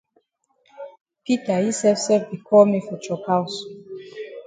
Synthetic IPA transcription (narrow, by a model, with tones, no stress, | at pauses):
pi˦ta˨ji˦sɛ˦fsɛ˦fbi˨kʰɔ˦mi˦fɔ˨t͡ʃɔ˨ka˦u˨s